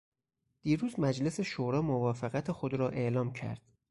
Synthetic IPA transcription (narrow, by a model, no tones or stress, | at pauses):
d̪̥iːɾuːzmæd͡ʒle̞se̞ʃoːɾɒːmovɒːfeɣæt̪ʰexo̞d̪ɾɒːʔe̞ʔlɒːmcʰæ̰ɾd̪̥